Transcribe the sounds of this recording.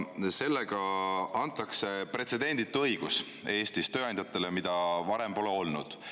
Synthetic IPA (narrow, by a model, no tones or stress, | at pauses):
se̞lːeɡ̥ɑɑnt̪ːˑɑkse̞pre̞t̪se̞d̪̥e̞nd̪̥it̪ːˑɤjɡ̥us | e̞ːst̪ist̪øːɑj̪d̪jɑt̪ːˑe̞lemid̪̥ɑvɑɾe̞mpo̞leo̞lnṵd̪̥